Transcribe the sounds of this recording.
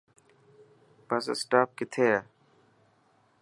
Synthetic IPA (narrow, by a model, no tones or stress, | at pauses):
pasə̰sʈaːp̚kɪt̪ʰeːa